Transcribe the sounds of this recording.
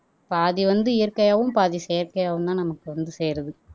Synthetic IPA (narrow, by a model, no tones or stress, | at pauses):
paːðiʋɐnd̪ɯɪjɐɾkːɐjaːʋɯmpaːðiseːɾkɐjaːʋɯmt̪ãːnɐmɐkːɯʋɐnd̪ɯseːɾɐðɯ